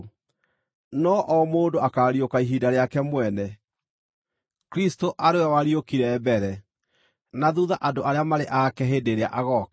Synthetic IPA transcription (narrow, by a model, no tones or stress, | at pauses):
nɔʔɔmoːndoakaɾiokaiɦiːdaɾeakɛmwɛnɛ | kɾistoʔaɾewɛwaɾiokiɾɛbɛɾɛ | naðuðaʔadoʔaɾeamaɾeʔakɛɦeːdeɾeaʔaɣɔk